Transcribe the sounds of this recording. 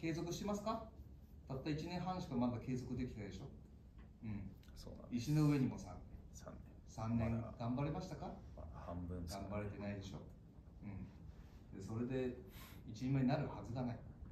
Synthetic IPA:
ke̞ːzo̞kɯ̟ɕi̥t̪emasɨ̥ka | t̪at̪ːait͡ɕinẽ̞ɰ̃ɦãɰ̃ɕi̥kɯmad̪ake̞ːzo̞kɯ̟d̪e̞kʲi̥t̪ad̪e̞ɕo̞ | ɯ̟̃ɴ | soiɕino̞ɯ̟e̞ɲ̟imo̞sã̰nːḛ̃n | sãnːẽŋɡãmbaɾemaɕi̥t̪akahmɯ̃ɡ̥ãmbaɾet̪e̞naid̪e̞ɕo̞̰ | ɯ̟̃ɴ | d̪e̞so̞ɾe̞d̪e̞it͡ɕiɲimaɲinaɾɯ̟hazɨɡanai

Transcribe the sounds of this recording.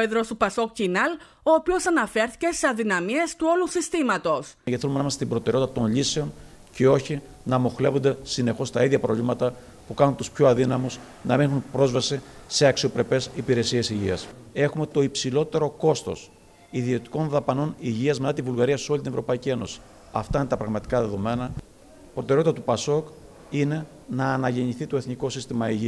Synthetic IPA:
eðɾo̞supɐso̞kcinɐl | oːpio̞sɐnɐfe̞ɾθice̞seɐðinɐmiest̪uo̞lusist̪imɐt̪o̞sʝet̪iθelumenɐmɐst̪ibɾo̞t̪eɾeo̞tit̪ɐt̪o̞nʎise̞o̞n | ce̞o̞çi | nɐmo̞xle̞vond̪esine̞xo̞st̪ɐiðʝɐpɾo̞vʎimɐt̪ɐ | pukɐnunt̪uspçoɐðinɐmus | nɐmixunpɾo̞zvɐsise̞ɐksio̞pɾe̞pe̞sipiɾe̞sie̞siʝiɐs | e̞xume̞t̪o̞ipsilo̞t̪e̞ɾo̞ko̞st̪o̞̰s | iðio̞t̪i̥ko̞nðɐpɐno̞niʝiɐzme̞t̪ɐt̪ivulɣɐɾiɐso̞lit̪inevɾo̞pɐicie̞no̞si̥ | ɐft̪ɐinet̪ɐpɾɐɣmɐt̪i̥kɐðe̞ðo̞me̞nɐ | pɾo̞t̪e̞ɾeot̪it̪ɐt̪upɐso̞k | ine̞ | nɐːnɐʝe̞ɲiθit̪o̞e̞θniko̞sist̪imɐiʝi

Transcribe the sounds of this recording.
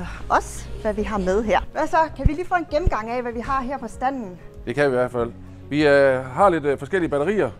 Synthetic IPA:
ɒ̽sʋæʋiɦɑ̈með̞ˠɦeɐ̰ʋæsɒ̽kʰæʋiliːfɔ̰ːe̝nɡ̥emm̩ɡ̥ɑ̈ŋ̰æʋæʋiɦɑ̈ɦeɐ̰pʰɒ̽sd̥æn̰n̩ | d̥e̝kʰæiʋæɐ̰̥fæl̰ | ʋiɦɑ̈le̝d̥fɒ̽sɡ̥el̰iəb̥æɾɐʁḭːɐ

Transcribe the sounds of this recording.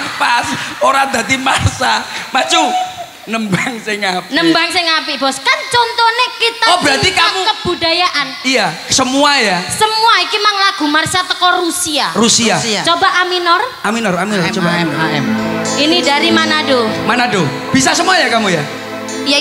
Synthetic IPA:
pasoɾad̪a̤t̪imasamat͡ʃu | nəmbaŋseŋapnəmbaŋseŋapibɔskant͡ʃɔnt̪ɔnekit̪aɔbɾat̪ikamukəb̥udajaʔanija | səmuajasəmuaikimaŋlaɡ̥ṳmarsat̪əkɔrusiarusiat͡ʃobaʔaminɔraminɔraminɔt͡ʃobaɛmaɛminidaɾimanadomanado | b̥is̬asəmuajakamuja

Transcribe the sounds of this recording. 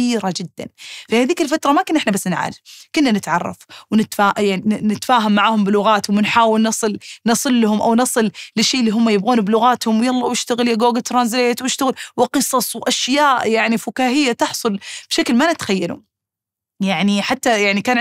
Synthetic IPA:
iːɾad͡ʒɪd̪ːa̰nfihaðiːkɪlfat̪ɾˤɑmakɪnʔɪħnabasːnʕa̰ːlɪfkʊnːanɪt̪ʕɑrˤːɑ̰fwnɪt̪faːʔjaʕninɪt̪faːɦamːaʕaːhʊmbɪlʊɣaːt̪hʊmwɪnħaːwɪlnɑsˤɨlnɑsˤɨlːahʊmʔawnɑsˤɨllɪʃːeːʔlːiːɦʊmːajɪbɣuːnblʊɣaːt̪hʊmwjɑlˤːɑwjɪʃt̪aɣɪljaɡoːɡat̪ɾˤɑnzlejt̪wjɪʃt̪aɣɪlwɪqɨsˤɑsˤwʔaʃjaːʔjaʕnifʊkaːɦɪjːat̪ɑħsˤʊlb̥ʃaklmanɪt̪xajːalṵ | jaʕniħat̪ːajaʕnikaːn

